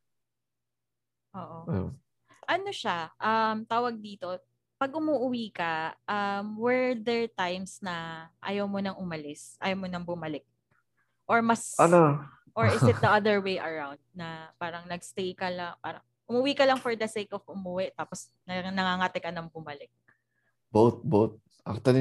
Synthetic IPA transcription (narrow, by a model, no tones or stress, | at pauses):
ʔoːʔo | ʔɐnoʃaʔɐmt̪aːwɐɡ̚d̪iːt̪o̞ | pɐɡ̚ʔʊmuʔʊwiːkɐʔɐmwɛɹd̪ɛɹt̪ajmsnɐʔɐ̰jɐwmonɐŋʔʊmɐlɪsʔa̰jɐwmonɐŋbʊmɐlɪk̚ | ʔoɹmɐsɐno | ʔoɹɪsɪd̪ɐʔɐd̪ɛɹwejʔɐɹawnd̪̚nɐpaːɾɐŋnɐɡst̪ejkɐlɐŋpa̰ːɾɐŋ | ʔʊmʊwiːkɐlɐŋfɔɹd̪ɐsejkɔfʊmʊwɪt̪aːpos | nɐnɐŋaŋat̪ɛkɐnɐŋbʊmɐlɪk̚ | bowt̪̚bowt̪̚ | ʔak̚t̪wɐli